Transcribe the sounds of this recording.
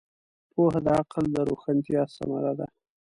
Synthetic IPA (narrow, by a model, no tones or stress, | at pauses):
pʰoɦad̪əaqld̪əɾoxant̪jɑsa̰ma̰lad̪a